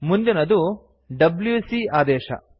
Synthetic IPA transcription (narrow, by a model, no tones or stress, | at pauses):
mund̪inɐd̪u | ɖɐbljuːsiaːd̪ɛːʃɐ̰